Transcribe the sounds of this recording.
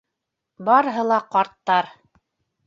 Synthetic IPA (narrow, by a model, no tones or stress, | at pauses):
bɑɾɤɦɤlˠɑqɑɾt̪ːɑɾ